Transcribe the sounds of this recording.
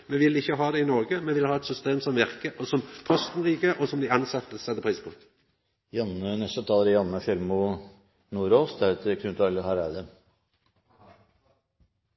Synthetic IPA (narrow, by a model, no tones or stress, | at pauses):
mɛʋɪlɪçːəɦɑːd̪ɛɪnɔʁɡəmɛnʋɪlhɑːɛt̪sʏst̪eːmsɔmʋɪʁkəʔɔsɔmpʰœst̪n̩ʁiːɡəʔɔsɔmd̪ɪɑnsɑt̪ːəsɛt̪ːəpʰʁiːspʰɔ̰ | jɑnːənɛst̪ət̪ʰɑːlːəɾjɑnːəʃɛɾmʊ | nuːɾoːsd̪æːɾɛt̪ʰəkʰʉnt̪ʰɑləhɑɾæd̪ə